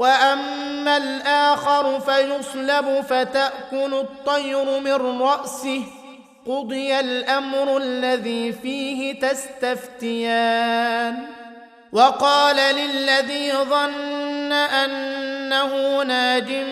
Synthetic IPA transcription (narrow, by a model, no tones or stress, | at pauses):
waʔamːalʔaːxɑɾˤʊfajʊsˤlabʊfat̪aʔkʊlʊt̪ˤːɑjɾʊmɪnɾˤɑʔsɪh | qʊd̪ˤɨjalʔamɾʊalːaðiːfiːɦɪt̪ast̪aft̪ɪjaːn | wɑqɑːlalɪlːaðiːðˤɑnːaʔanːahʊːnaːd͡ʒ̪ɪm